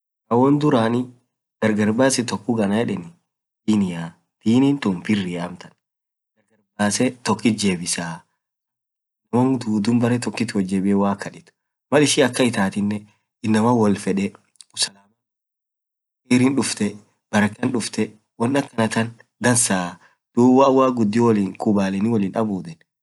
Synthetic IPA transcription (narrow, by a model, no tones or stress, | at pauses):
kɐwɔnd̪ʊɾaːnɪ | d̪̥ɐɾɡɐɾbaːsɛt̪ɔkːʊɡɐnɐjɛᶑɛnɪ | d̪̥iːnɪja | d̪̥iːnint̪ʊmfɪrːɪjaːmt̪ɐn | d̪̥ɐɾɡɐɾbaːsɛt̪ɔkːɪt̪̚d͡ʒeːbɪsaː | ɪnːɐmoːnd̪uːd̪ʊmbɐɾɛt̪ɔkːɪt̪wɔd͡ʒːeːbɪɛwaːkːɐᶑɪt̪ʊ̥ | mɐlɪʃɪɐkːɐɪt̪aːt̪ɪnːɛ | ɪnːɐmɐwɔlfɛᶑɛ | ʊsɐlamɐ | keːɾɪnᶑʊft̪ɛ | b̥ɐɾɐkːɐnᶑʊft̪ɛ | wɔnːɐkːɐnɐt̪ɐn | d̪ɐnsaː | d̪̥uːwɐːwːaːɡʊd̪ːɪwɔliːŋkubaːlɛnɪwɔlɪːnʔɐbuːd̪ɛn